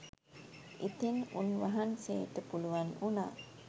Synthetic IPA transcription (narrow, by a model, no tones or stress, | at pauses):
ʔit̪enunʋaɦansḛːt̪əpuluʋanuna̰ː